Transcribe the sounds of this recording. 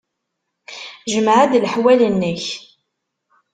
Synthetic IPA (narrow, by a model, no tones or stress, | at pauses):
ʒəmʕad̪ləħwælənːəç